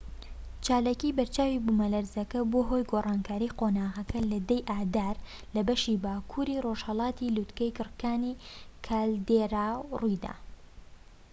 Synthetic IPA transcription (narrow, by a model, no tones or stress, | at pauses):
t͡ʃaːlaːkibɐɾt͡ʃaːwibumɐlɐɾzɐkɐboːɦojɡorˤʔɑːnkʰaːɾiːqoːnaːɣɐkʰɐlɐd̪ɐjʔaːd̪aːɾ | lɐbɐʃibaːkʰuɾiːroʒhɐlˠɑːt̪ilut̪kɐjkɨrkaːnikʰaːld̪eɾawrujd̪a̰ː